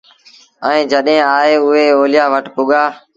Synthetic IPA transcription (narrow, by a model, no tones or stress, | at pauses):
əĩːd͡ʒəɗɦẽːaːɦeːʊɦeːoːljaːʋəʈpʊɠaː